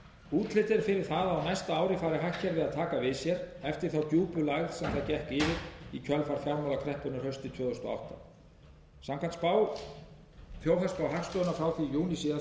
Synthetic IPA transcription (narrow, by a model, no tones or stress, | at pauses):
uːt̪lɪt̪ɪɾfɪɾɪɾ̥θaðaːwnajst̪aaːwɾɪfaːjɾɪɦahcɛɾvɪðaðt̪ʰaːkavɪðsjɛɾɛft̪ɪɾ̥θawt̪juːpʏlaɣð̥sɛmθaðcɛhkɪːvɪɾicʰœlfaɾ̥fjaɾmalakʰɾɛhpʏnarhœɥst̪ɪt̪ʰvœːðɛst̪ɔa̰wht̪a̰ | samkʰant̪spaw | fjoːwɦaspawɦakst̪œnafɾawθijuːnisɪa